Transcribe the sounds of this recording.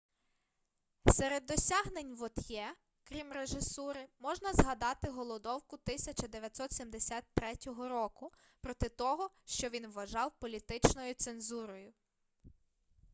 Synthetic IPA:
seɾed̪ːɔsʲaɦnenʲʋɔt̪jɛ | kɾʲimreʒɪsuɾɪmɔʒnɐzɦɐd̪ɑt̪ɪɦɔlˠɔd̪ɔwkʊt̪ɪsʲɐt͡ʃɐd̪eʋʲjɐt̪sɔt̪sʲimd̪esʲat̪ːɾɛtʲɔɦɔɾɔkʊ | pɾɔt̪ɪt̪ɔɦɔʃt͡ʃɔʋʲinʋːɐʒɑwpɔlʲit̪ɪt͡ʃnɔjʊt̪senzuɾɔjʊ

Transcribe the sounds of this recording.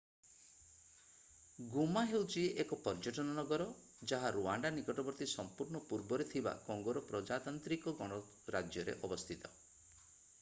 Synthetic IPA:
ɡumaɦewt͡ʃiekɔpɔɾd͡ʒɔʈɔnɔnɔɡɔɾɔ | d͡ʒaɦaɾuaɳɖanikɔʈɔbɔɾt̪isɔmpuɾɳɔpuɾbɔɾet̪ʰiba̰kɔŋɡɔɾɔpɾɔd͡ʒat̪ant̪ɾikɔɡɔɽ̃ɔ | ɾad͡ʒjɔɾḛʔɔbɔst̪ʰit̪ɔ̥

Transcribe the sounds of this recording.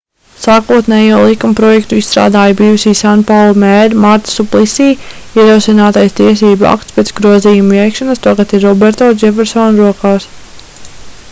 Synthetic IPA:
saːkuɔt̪nɛːjuɔlˠikumpɾɔjɛkt̪uisst̪ɾa̰ːd̪aːjbiːjusiːsanpawlˠɔmɛɾmaɾt̪suplˠisiːiɛɾowsinaːt̪ajst̪iɛsiːbua̰kt̪spet̪sɡɾuɔziːjumuɛjkʃanɐst̪aɡat̪iɾːɔbɛɾt̪ɔd͡ʒɛfɛɾsɔnɾuɔkaːs

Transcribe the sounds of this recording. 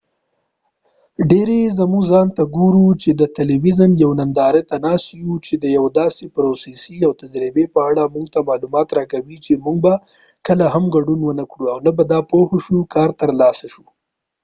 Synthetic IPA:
ɖeɾezamuɡzɑnt̪aɡuɾut͡ʃed̪ət̪eliwizanjawnand̪ɑɾet̪anɑsjut͡ʃed̪əjawd̪ɑsepɾosesiawt̪ad͡ʒɾɪbepəaɽamuɡt̪amɑlumɑt̪ɾɑkawit͡ʃemuŋɡ̚ba | kəlaɦamɡaɖunwənəkɽuawnabad̪ɑpohoʃukɑɾt̪əɾlɑsaʃu

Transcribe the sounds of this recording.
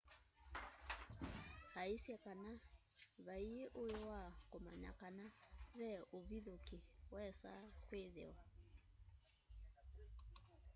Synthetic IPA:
haisjɛkana | βaieʔojowakoma̰na̰kanaβɛʔoβiðokiwɛsa̰kweðḛwa

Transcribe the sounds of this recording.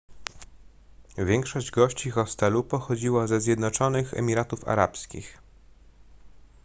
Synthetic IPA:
vʲjɛŋkʂɔʑd͡ʑɡɔɕt͡ɕixɔst̪ɛlupɔxɔd͡ʑiwazɛzʲjɛd̪nɔt͡ʂɔnɘxɛ̰mʲiɾat̪ufa̰ɾa̰pskʲḭx

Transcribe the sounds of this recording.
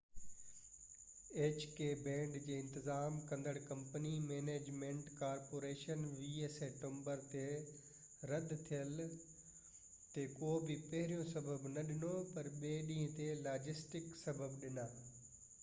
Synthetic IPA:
eːt͡ɕkeːbɛ̃ːɳɖd͡ʑeːɪ̃nt̪ɪzaːmkɐ̃nd̪əɽkɐ̃mpənimeːneːd͡ʑmẽːɳʈkaːɾpoːɾeːʃənʋieːseːʈõmbəɾt̪e | ɾɐd̪t̪ʰijəl | t̪ekoːbʱɪpɐɦɪɾijõsɐbəbnɐɗɪnopɐɾɓeːɗĩːə̃t̪elaːd͡ʑɪsʈɪksɐbəbɗɪnaː

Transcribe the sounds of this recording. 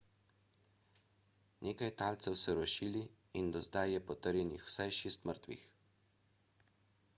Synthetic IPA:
nʔeːkajt̪aːlt̪sɛwsɛɾɔʃiːli | ind̪ɔzd̪ajːɛpɔt̪əɾjɛnixw̥sajʃeːst̪məɾt̪ʋḭx

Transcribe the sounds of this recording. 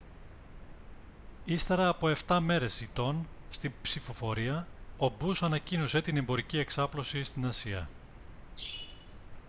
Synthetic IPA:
ist̪e̞ɾɐːpo̞e̞ft̪ɐme̞ɾe̞sit̪o̞n | st̪imbsifo̞fo̞ɾiɐobusɐnɐcinose̞t̪ine̞mbo̞ɾicie̞ksɐplo̞sist̪inɐsiɐ̰

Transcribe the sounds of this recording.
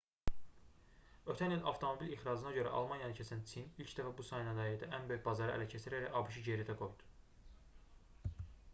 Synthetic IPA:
ø̞t̪ʰænilɑ̰vt̪ʰo̞mo̞bilixɾɑːzɯnɑɟø̞ɾæ̰ʔɑ̰lˠmɑnjɑnɯcʰesænt͡s̪ʰimilcʰd̪æfæbusɑjnæd̪ɑid̪æʔænbø̞jybɑzɑɾɯʔæ̰læcʰesiɾæɾæɑbɯʃ̬ɯɟeɾid̪ʰæɡo̞jd̪̥u̥

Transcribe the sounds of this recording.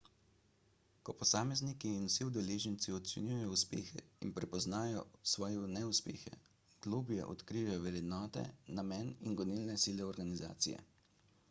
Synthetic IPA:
kɔpɔsaːmɛznikiːnusiud̪ɛleːʒɛnt̪siɔt̪sʲɛnʲuːjɛjɔuspeːxɛ̰ḭnpɾɛpɔznaːjɔsʋɔːjɛnɛuspḛːxɛ̰ | ɡ̥luːbjɛ̰ʔɔ̰t̪kɾiʋajɔʋɛɾjɛd̪nɔːt̪ɛ̰namɛːninɡɔnilnɛsiːlɛɔɾɡaniza̰ːt̪sḭjɛ̰

